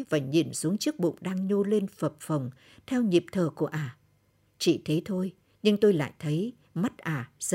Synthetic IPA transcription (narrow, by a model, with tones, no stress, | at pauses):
vaː˨˩ɲi˨˩nsu˨˦əŋt͡ɕɨ˦˥ək̚ɓṵ˧˨ŋ͡mɗaː˧ŋɲo˧le˧nfə˨˩p̚fə˨˩wŋ͡m | t̪ʰɛ˧wɲi˨˩əp̚t̪ʰəː˨˩ku˧˩əʔaː˨˧˩ | t͡ɕḭ˧˨t̪ʰe˨˦t̪ʰo˧j | ɲɨ˧ŋt̪o˧jla̰ː˧˨jt̪ʰə˨˦j | ma˦˥t̚ʔaː˨˩z